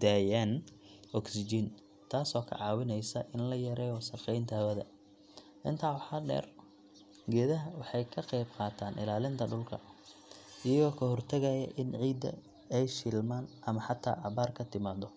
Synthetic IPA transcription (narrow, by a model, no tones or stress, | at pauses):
d̪aːjanɔksɪd͡ʒɪn | t̪ʰaːsɔːkʰɐ̰ʕɑːwɪnɛjsɐʔɪnlɐjɐɾɛɔsɐqɛjnt̪ʰɐwɐðɐ̰ | ʔɪnt̪ʰaːwɑħɑːɖɛ̰ːr | ɡɛːðɐɦɐwɑħɑjkʰɐqɛjbqɑːt̪ʰaːnʔɪ̰laːlɪnt̪ʰɐɖʊlkʰɐ̰ | ijɐɔːkʰɐɦɔrt̪ʰɐɣɐjɐ̰ʔɪnʕiːd̪ɐ̰ | ɛjʃɪlmaːnʔɐmɐħɑt̪ʰa̰ːʔɑβaːrkʰɐt̪ʰɪmaːd̪ɔ